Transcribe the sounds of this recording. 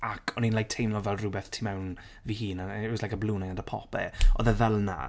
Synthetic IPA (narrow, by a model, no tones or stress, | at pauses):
akʰɔninlajk̚tʰejmlɔvɛlˠrʊbɛθtʰimɛwn | vihiːnaslajkəblˠuːnɛɡandəpʰɔ̰pɛ̰ɔ̰ðəvɛlˠna̰